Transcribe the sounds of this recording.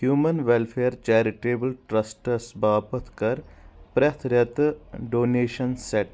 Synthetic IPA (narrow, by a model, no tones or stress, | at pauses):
hjuːmɐnʋelpʰeːəɾt͡ʃɛːɾiʈeːbəlʈɾɐsʈɐsbʱaːpɐt̪ʰkɐɾpɾɐt̪ʰɾɐt̪ɖoːneːʃɐnseʈ